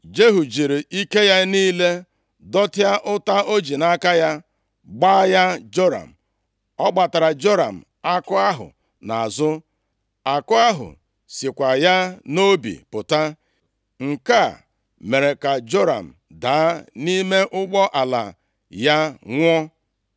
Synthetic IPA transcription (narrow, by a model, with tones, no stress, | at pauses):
d͡ʒe˦ɦu˨d͡ʒi˨ɾi˨i˦ke˦ja˦niː˦le˦ | dɔ˦tɪ˦a˦ʔʊ˦ta˦ʔo˦d͡ʒi˨na˦ka˦ja˦ | ɡ͡baː˦ja˦d͡ʒo˦ɾa̰˨m̩˨ | ɔ˦ɡ͡ba˨ta˨ɾa˨d͡ʒo˦ɾa̰˨m̩˨ | a˦kʊ˦a˦ɦʊ̰˨ | na̰˨a˨zʊ˦ | a˨kʊ˦a˦ɦʊ̰˨ | si˨kʷa˨ja˦no˦bḭ˨pʊ˨ta˦ | ŋ̩˨ka˦˨ | me˨ɾe˨ka˨d͡ʒo˦ɾa̰˨m̩˨da˨a˦ni˦me˦ʔʊ˦ɡ͡bɔ˦ʔa˨la̰˨ | ja˦ŋʷ˦ɔ˦